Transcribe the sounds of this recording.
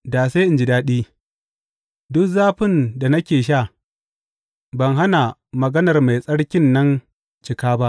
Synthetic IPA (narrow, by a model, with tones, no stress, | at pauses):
daː˨se˦ʔɪ˨nd͡ʒɪ˨daː˦ɗiː˦ | dʊ˦kzaː˦ɸɪ˦nda˨nɐ˦kʲeː˨ʃ̬aː˦˨ | bɐ˨ŋɦa˦na˨mɐ˨ɡɐ˦nɐ˨rma˨jsʼɐ˦ɽkʲɪ˦nːɐ˦n | t͡ʃɪ˨kaː˦ba˦ʔ